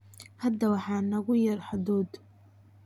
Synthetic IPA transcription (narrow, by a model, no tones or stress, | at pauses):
hɐd̪ːɐwɑħɑːnɐɣʊjɐrħaðɔːd̪